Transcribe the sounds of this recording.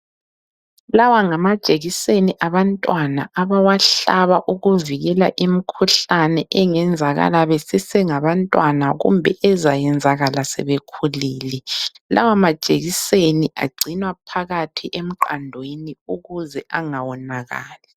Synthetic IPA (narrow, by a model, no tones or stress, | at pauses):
lawaŋamad̥ʒ̥ʼʱeɣiseniʔaβantʼwana̰aβawaɬaβaʔuɣuviɣɛla̰ʔimikʰuɬanɛʔɛŋɛnd͡zʱaɣa̰laβesisɛŋaβantʼwanaɣṵmbʱɛ̰ʔɛzajɛnd͡zʱaɣalasɛ̰βekʰuliːlɛ | la̰wamad̥ʒ̥ʼʱeɣiseniʔa̰ɡ͡ǀʱinwapʰaɣatʰiʔem̩ǃandʱweniuɣuzɛʔaŋawɔnaɣa̰ːlɛ